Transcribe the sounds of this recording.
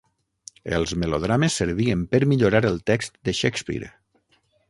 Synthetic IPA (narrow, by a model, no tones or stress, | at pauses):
ə̰lˠzmeloð̞ɾamesːəɾβ̞iəmpəɾmiʎoɾaɾəlˠt̪ɛkst̪d̪əʃekspḭɾ